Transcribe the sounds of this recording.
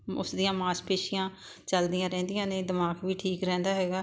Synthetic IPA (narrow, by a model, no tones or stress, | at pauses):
ʊ̰sd̪ijãːmaːspeːʃɪjãː | t͡ʃəld̪ijãːɾɛ̃ːnd̪ɪjãːneːd̪ɪmaːkʋiːʈʰiːkɾɛ̃ːnd̪aːɦɛːɡaː